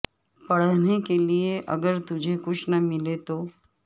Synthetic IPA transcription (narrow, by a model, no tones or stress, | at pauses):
pɐɽ̤nekelieʔɐ̰ɡəɾt̪ʊd͡ʒʱekʊt͡ʃʰnɐmɪlet̪oː